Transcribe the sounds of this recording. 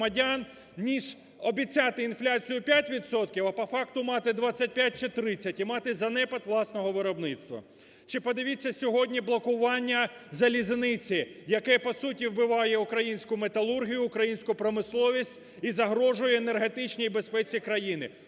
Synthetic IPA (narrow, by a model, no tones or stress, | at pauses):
mɐdʲan | nʲiʒ | ɔbʲit͡sʲat̪ɪinflʲat͡sʲijʊpʲjatʲʋʲid̪sɔt̪kʲiwɐpɐfɑk̚t̪ʊmɑt̪ɪd̪ʋɑt͡sʲːɐt̚ʲpʲjat̚ʲt͡ʃɪt̪ɾɪt͡sʲɐtʲimɑt̪ɪzɐnɛpɐt̪ʋlˠɑsnɔɦɔʋɪɾɔbnɪt̪st̪ʋɐ̰ | t͡ʃɪpɔd̪ɪʋʲit͡sʲːɐsʲɔɦɔdʲnʲiblˠɔkʊʋɑnʲːɐzɐlʲiznɪt͡sʲɪjɐkɛpɔsutʲiwbɪʋɑjɛukɾɐjinʲsʲkʊmet̪ɐlˠurɦʲijʊːkɾɐjinʲsʲkʊpɾɔmɪslˠɔʋʲisʲtʲ | izɐɦɾɔʒʊjʊenerɦe̞t̪ɪt͡ʃnʲijbespɛt͡sʲikɾɐjinɪ